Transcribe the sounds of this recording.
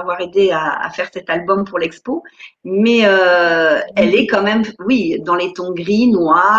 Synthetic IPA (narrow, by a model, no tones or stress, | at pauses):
vwaʁed̪eaa̰fɛʁsɛt̪albɔmpuʁlɛkspomɛø | ɛlɛkɑ̃mɛmwid̪ɑ̃let̪ɔ̃ɡʁinwa